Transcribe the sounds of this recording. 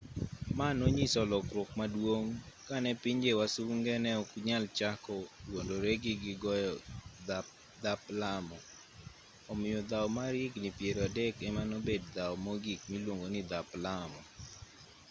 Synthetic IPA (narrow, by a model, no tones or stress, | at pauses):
manoɲisɔlɔkɾʊkmadwoŋkanɛpiɲd͡ʒewasuŋɡɛnɛɔkɲalt͡ʃakɔwondoɾɛɡɪɡɪɡɔjɔd | d̪aplamɔ | ɔmɪjɔd̪awmaɾiɡnipjeɾadɛkɛmanobed̚d̪awɔmoɡikmilwoŋɡonɪd̪aplamɔ